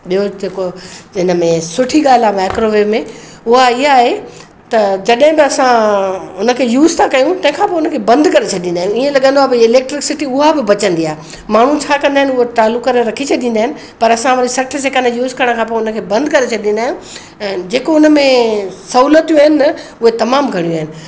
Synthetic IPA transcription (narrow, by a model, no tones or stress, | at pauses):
ɓiɦod͡ʑeːkoɪnəmẽsʊʈʰiɠaːlɪamaːkɾoʋeːmẽ | ʊɦaɪɦaɦe | t̪ɐd͡ʑɐɗɦɪ̃bɪɐsãʊnə̆kʰeːjuːzt̪ʰãkɐjũt̪ɐ̃ɦɪ̃kʰãːpojʊnəkʰebɐ̃nd̪kɐɾet͡ɕʰɐɗĩːnd̪aːjũiẽlɐɠə̃nd̪oabɪɪleːk̚ʈɾɪksɪʈiʊɦabɪbɐt͡ɕə̃nd̪iaːɦe | maːɳ̤ũt͡ɕʰaːkɐ̃nd̪aːɦɪnɪʊɦoʈaːlukɐɾeɾɐkʰit͡ɕʰɐɗ̪ĩnd̪aːɦɪnɪ̆ | pɐɾɐsãʋɐɾisɐʈʰəsekɐnjuːzkɐɾəɽ̃kʰãːp̬oːʊnə̆kʰeːbɐ̃nd̪kɐɾet͡ɕʰɐɗĩːn̆d̪aːijũ | ɛ̃ːd͡ʑeːkoʊnə̆mẽsɐuːlət̪jũaɦɪnɪ̆nɐʊɦet̪ɐmaːmɡʱɐɽ̃ijũaːɦɪnɪ̆